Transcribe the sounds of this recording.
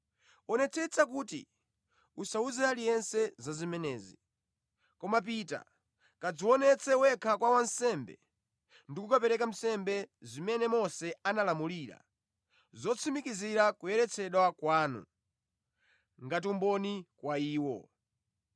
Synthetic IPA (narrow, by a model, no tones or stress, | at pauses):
ɔnɛt͡sʰɛt͡sʰakuːtḭ | usauzɛalijɛnsɛzazimɛnɛːzi | kɔmap̬ita̰ | kad͡ziwɔnɛt͡sʰɛwɛkʰakwawansɛmbɛ̰ | ndikukapɛɾɛkam̩sɛmbɛzimɛnɛmɔsɛanalamuliɾa̰ | zɔt͡sʰimikiziɾakujɛɾɛt͡sʰɛɗwakwaːnṵ | ŋɡat̬umbɔnikwaiːwɔ̰